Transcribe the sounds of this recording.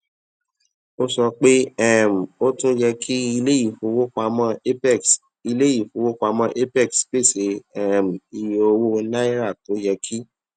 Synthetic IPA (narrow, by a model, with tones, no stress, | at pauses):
o˦sɔ˧k͡pe˦ɛ˦˨m̩˨o˦tũ˦jɛ˧kʰi˦i˧le˦i˦˨fo˨˦wo˦ka˧mɔ̃˧˦˨s | i˧le˦i˦˨fo˨˦wo˦ka˧mɔ̃˧ʔe˦pɛ˦˨ksk͡pe˦˨se˨˦ɛ˦˨m̩˨i˨jo˧wo˦nã˦i˦ɾa˦˨to˨˦jɛ˧kʰi˦